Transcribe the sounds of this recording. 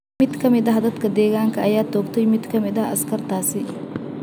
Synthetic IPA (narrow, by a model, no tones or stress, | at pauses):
mɪd̪kʰɐmɪd̪ɐɦɐd̪ɐd̪kʰɐd̪ɛːɣaːŋkʰɐʔɐjaːt̪ʰɔːɡt̪ʰɛjmɪd̪kʰɐmɪðɐɦʔɐskʰɐrt̪ʰaːsɪ